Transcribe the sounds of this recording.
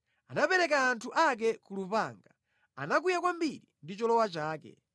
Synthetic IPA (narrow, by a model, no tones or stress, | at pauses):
anapɛɾɛkaːntʰuʔak̬ɛkulupaŋɡa | a̰nak̬ujakwambiɾindit͡ʃɔlɔwat͡ʃaːkɛ̰